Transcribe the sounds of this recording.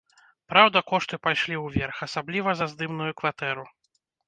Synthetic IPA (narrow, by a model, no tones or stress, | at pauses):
pɾawd̪ɐkɔʂt̪ɨpajʂlʲiwvʲɛrxasablʲivɐzɐzd̪ɨmnujukvat̪ɛɾu